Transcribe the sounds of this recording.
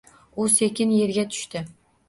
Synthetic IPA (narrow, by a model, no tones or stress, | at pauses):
ʊse̞kʲʰɪnje̞ɾɡʲat̪ʰʊ̥ʃt̪ɪ